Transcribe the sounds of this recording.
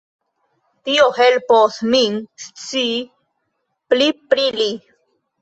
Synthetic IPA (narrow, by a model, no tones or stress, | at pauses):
t̪iohelposmiŋst͡si | plipɾili